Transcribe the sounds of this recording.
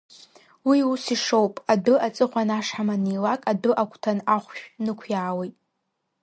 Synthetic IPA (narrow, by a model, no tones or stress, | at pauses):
wiusiʂowpʼadɨat͡sʼɨχʷanaʂħamanilakʼadɨʔakʷʰʼtʰanaχʷʃᶣnɨkʷʰjaːwejtʼ